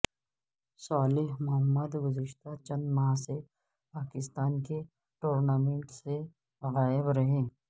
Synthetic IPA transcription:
saːlɪɦmʊɦəmːəd̪ɡʊzəʃt̪at͡ʃɐ̃nd̪maːɦse | paːkɪst̪aːnke | ʈoːɾnaːmẽɳʈse | ɣaːɪbɾɐɦẽː

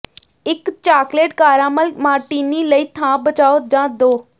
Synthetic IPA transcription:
ɪkt͡ʃaːkleːʈkaːɾãːməlmaːɾʈiːniːləiːt̪ʰãːbət͡ʃaːoːd͡ʒãːd̪oː

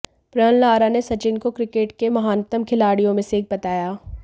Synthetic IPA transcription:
pɾənlaːɾanesɐt͡ʃɪnkokɾɪkeːʈkemɐɦaːnt̪əmkʰɪlaːɽijõmẽseːk̚bɐt̪aːjaː

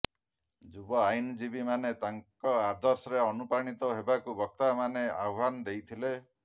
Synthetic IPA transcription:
d͡ʒubɔajnd͡ʒibimanet̪aŋkɔad̪ɔɾsɔɾeɔnupɾaɽ̃it̪ɔɦebakubɔk̚t̪amaneawbanɔd̪ejt̪ʰile

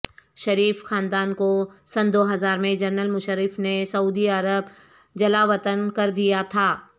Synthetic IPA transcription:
ʃɐɾiːfxaːnd̪aːnkosɐ̃nd̪oːɦɐzaːɾmẽd͡ʒɐɾnəlmʊʃəɾɪfnesɐuːd̪iɐɾəb | d͡ʒɐlaʋɐt̪ənkɐɾd̪ijat̪ʰaː

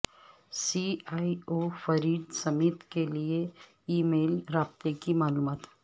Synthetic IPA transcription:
siaːiofɐɾiːd̪sɐmiːt̪kelie | iːmeːlɾaːbt̪ekimaːluːmaːt̪ɦ

